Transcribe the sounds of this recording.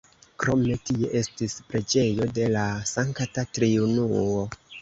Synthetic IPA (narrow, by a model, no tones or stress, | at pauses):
kɾo̞me̞tie̞ʔe̞stispɾe̞d͡ʒe̞jo̞de̞lasaŋktatɾiunuo̞